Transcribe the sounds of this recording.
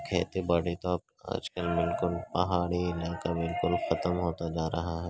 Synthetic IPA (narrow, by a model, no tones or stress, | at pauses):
kʰɛ̰ːt̪ebɐɽet̪oaːp̚ | a̰ːd͡ʒkəlbɪlkʊlpɐɦaːɽiɪlaːkabɪlkʊlxɐt̪əmɦoːt̪ad͡ʒaːɾɐɦaɦɛː